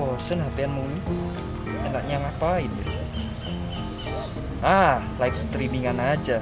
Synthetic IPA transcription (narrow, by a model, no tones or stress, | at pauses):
ɔsənɦap̪eanmuni | enaʔɲaŋapainɛ | ə | a | lajfst̪ɾimiŋanad͡ʒa